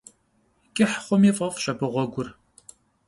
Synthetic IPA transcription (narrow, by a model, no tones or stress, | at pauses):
kʲʼɪħχʷɔmiːfʼɐfɕʼɐbɨʁʷɔɡʷʊr